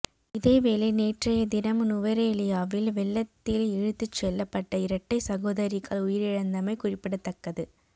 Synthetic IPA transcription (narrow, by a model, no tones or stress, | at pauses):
ɪðeːʋeːleneːʈrɐjɐd̪ɪnɐmnʊʋɐɾeːlɪjaːʋɪlʋɛɭːɐt̪ːɪlɛɻɯt̪ːɯt͡ʃːɛlːɐpːɐʈːɐɪɾɐʈːɐɪsɐɣoːðɐɾɪɣɐɭʊjɪɾɪɻɐnd̪ɐmɐɪkʊrɪpːɪɽɐt̪ːɐkːɐðɯ